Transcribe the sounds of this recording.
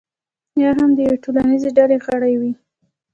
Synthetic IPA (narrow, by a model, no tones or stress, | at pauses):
jɑɦamd̪əjeʈolanizeɖaleɣaɽajwi